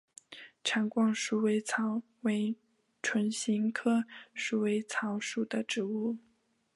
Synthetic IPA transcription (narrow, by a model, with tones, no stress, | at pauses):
ʈ͡ʂʰa˧˥ŋkwɑ˥ŋʂu˧˥˩we˧˥ɪt͡sʰɑ˧˥ʊ | we˧˥ɪ | ʈ͡ʂʰwə˧˥nɕi˧˥ŋkʰɤ˥ʂu˧˩we˧˥ɪt͡sʰɑ˧˥ʊʂu˨˩d̪ə˦ʈ͡ʂɻ̩˧˥u˥˩